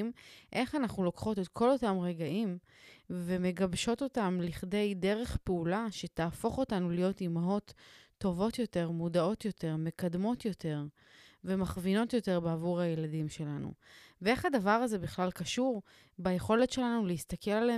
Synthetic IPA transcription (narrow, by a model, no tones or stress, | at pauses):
mʔe̞χanaχnulo̞kχo̞te̞tkʰo̞lo̞tamʁeɡaʔim | ve̞me̞ɡabʃo̞to̞tamliχde̞jde̞ʁe̞χpeulaʃe̞taːfo̞χo̞tanulijo̞timao̞t̪ː | o̞vo̞tjo̞te̞ʁmudao̞tjo̞te̞ʁme̞kadmo̞tjo̞te̞ʁ | ve̞maχvino̞tjote̞ʁbeavuʁhajeladimʃe̞lanṵvee̞χhadavaʁaze̞biχlalkaʃuʁ | baje̞χo̞letʃe̞lanulehist̪ake̞lale